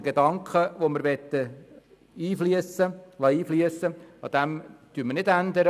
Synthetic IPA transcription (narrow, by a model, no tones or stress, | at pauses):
ɡ̥ed̪ɑŋkχəʋoməɾʋɛt̪ːə | iːfliəsəlɑiːfliəsəɑd̥̪æmd̥yːmənɪd̪ænd̪əɾə